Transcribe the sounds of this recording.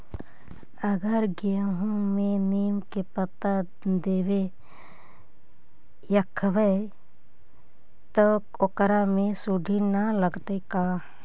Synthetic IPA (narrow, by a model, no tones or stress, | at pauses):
əɡəɾɡijəɦũmẽneːmkepət̪a | d̪eʋe | jəkʰːʋe | t̪ə | okɾamẽsuɖʱinaləɡt̪ekaː